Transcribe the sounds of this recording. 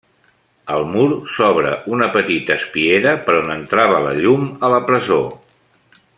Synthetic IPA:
əlˠmuɾsɔβɾə̰ʔunəpət̪it̪əːspieɾəpəɾonənt̪ɾaβ̞ələ̰ʎumələpɾəzo

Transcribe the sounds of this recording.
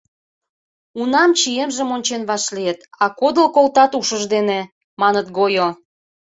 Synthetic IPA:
unɑmt͡ɕijemʒə̆monʲt͡ɕenβɑʃlijet̪ɑkod̪əlkolt̪ɑt̪uʃəʒd̪ene | mɑnət̪ɡojo

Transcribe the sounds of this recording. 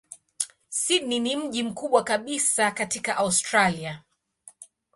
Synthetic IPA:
sidninim̩ʄim̩kuɓwakaɓisakatikaʔaustɾalia

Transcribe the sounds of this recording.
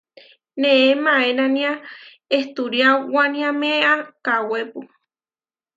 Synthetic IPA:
neemãenãnĩa | eht̪uɾjawanĩãmeakawepu

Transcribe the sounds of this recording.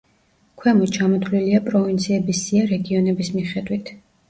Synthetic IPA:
kʰwɛmɔt͡ʃʰamɔt̪ʰliliapʼɾɔvint̪sʰiɛbisiaɾɛɡiɔnɛbismiχɛd̪wit̪ʰ

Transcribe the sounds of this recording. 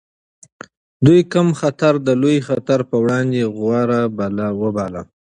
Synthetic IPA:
d̪ujkəmxat̪aɾd̪əlojxat̪aɾpəwɽɑnd̪eɣwɑɾabalawəbɑla

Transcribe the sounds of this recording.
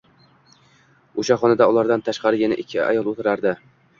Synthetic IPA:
oʃaχɒnad̪aʊlˠaɾd̪ant̪ʰaʃqʰɑɾɪjʲɪnɪʔɪkʲʰːɪa̰jɒlˠot̪ʰɪɾaɾd̪ɪ

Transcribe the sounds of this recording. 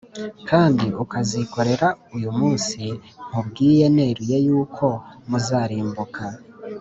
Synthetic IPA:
kʰaːndiʔukaziko̞ɾe̞ɾaujumuːnsim̥ubɡiːje̞ne̞ɾijejuːkʰo̞muzaːɾiːmbukʰa

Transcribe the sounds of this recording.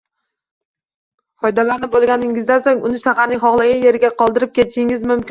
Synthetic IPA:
ɒjd̪alanɪbolˠɡʲanɪŋɪzd̪asoŋʊnɪsaχanɪχɒʁlˠaɡʲaje̞ɾɡʲaqɒlˠd̪ɪɾɪp̚kʲe̞t̪ɪʃɪŋɪzmʊmkʲɪn

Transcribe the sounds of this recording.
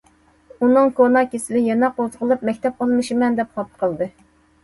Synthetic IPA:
unɨŋkʰonɑkʲesɪlɪjɛnɑqozəʁəlˠɨp̚mɛkʲt̪ɛp̚qɑlˠmɨʃɪmɛnd̪ɛp̚χɑp̚qʰəlˠd̪ɨ

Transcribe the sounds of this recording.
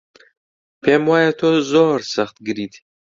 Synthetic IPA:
pʰemwajat̪ʰozoɾsɐχt̪̚ɡɨɾiːt̪ʰ

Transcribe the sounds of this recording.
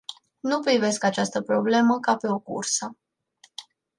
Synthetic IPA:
nupɾive̞skat͡ʃast̪əpɾo̞ble̞məkape̞o̞kṵrsə

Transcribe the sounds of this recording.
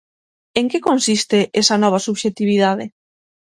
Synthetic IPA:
eŋkekonsist̪eʔesɐnɔβ̞ɐsuβʃet̪iβiðaðe

